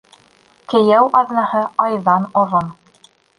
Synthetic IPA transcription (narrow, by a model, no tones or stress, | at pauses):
kɘ̆jæwʔɑðnɑhɤɑjðɑnŏɾon